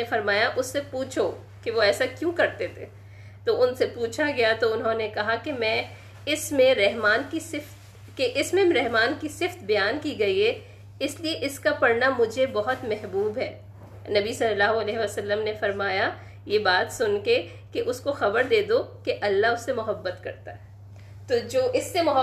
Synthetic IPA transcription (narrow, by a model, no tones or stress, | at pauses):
efɐɾmaːjaʔʊsːepuːt͡ʃʰo | keʋoɛːsakjũːkɐɾt̪et̪ʰeː | t̪oʊnsepuːt͡ʃʰaɡɐjat̪oʊnɦõnekɐɦakemɛ̃ː | ɪsmẽɾɛɦmaːnkisɪft̪ | keʔɪsmẽɾɛɦmaːnkisɪft̪bɐjaːnkiɡɐiɦɛː | ɪslieʔɪskapɐɾnamʊd͡ʒʱebɐɦʊt̪mɛɦbuːbɦɛː | nɐbisɐlːəlaːɦoɐlɛːɦeʋəsɐlːəmnefɐɾmaːja | jebaːt̪sʊnke | keʔʊskoxɐbəɾd̪eːd̪okeʔɐlːaɦʊsːemʊɦəbːət̪kɐ̰ɾt̪aɦɛː | t̪od͡ʒoːʔɪsːemʊɦə